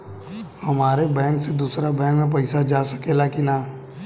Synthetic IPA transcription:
hɐmaːɾebɛ̃ːŋksed̪uːsɾabɛ̃ːŋkmẽp̬ɐɪsad͡ʒaːsɐ̥kelakinaː

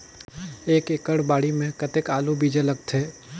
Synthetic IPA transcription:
eːkeːkəɽbaːɽimẽkɐt̪ekaːlubʱid͡ʒələɡt̪ʰeː

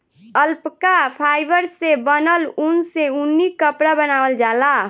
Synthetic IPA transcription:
əlpkapʰaːɪbəɾsebənəlunseunːikəpɾabənaːwəld͡ʒala

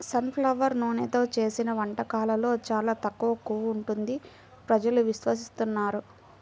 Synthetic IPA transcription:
sɐnpʰlɐʋɐɾnoːnet̪o̞ːt͡ʃe̞ːsinɐʋɐɳʈɐkaːlɐlo̞ːt͡ʃaːlaːt̪ɐkːuʋɐkːuːʋːɳʈund̪i | pɾɐd͡ʒɐluʋiʃʋɐs̬ist̪unːaːɾu

